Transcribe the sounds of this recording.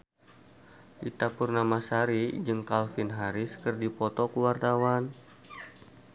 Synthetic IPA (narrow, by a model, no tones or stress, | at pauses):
ʔit̪apurnamasaɾid͡ʒɨŋkalfinɦaɾɪskɨrdipɔt̪ɔkuwart̪awan